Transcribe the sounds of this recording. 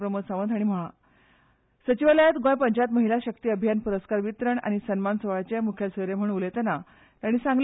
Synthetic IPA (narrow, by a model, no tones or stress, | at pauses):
pɾəmusaʋəd̪ʱaɽ̃im̤əɭ̃a | sət͡ɕiʋaləjat̪ɡõjpəɲd͡ʑat̪məɦilaɕəkt̪iːəbʱjanpuɾəskaɾʋit̪ɾəɳa̰ɽ̃isənmansəʋat͡ɕemukʰjasəɾem̤əɳ̃ulet̪ɛna | t̪aɽ̃isãŋɡl